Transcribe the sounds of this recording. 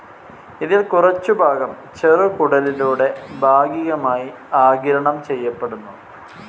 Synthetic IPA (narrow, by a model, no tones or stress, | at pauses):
iðilkurɐt͡ɕːubʱaːɡɐm | t͡ɕerɨkuɽɐliluːɽe̞bʱaːɡiɣɐmaːji | aːɡiɾɐɳɐmt͡ɕe̞jːɐpːeɽunːu